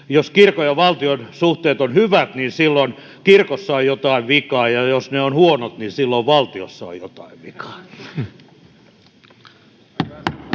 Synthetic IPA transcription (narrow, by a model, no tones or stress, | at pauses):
joskirkojɑʋɑlt̪ionsuht̪eːt̪onhyʋæt̪niːnsilːon | kirkosːɑojjot̪ɑiʋʋikɑːjɑjosneonhuonot̪nisilːoʋʋɑlt̪io̰sːɑo̰jjot̪ɑiʋʋḭkɑ̥ː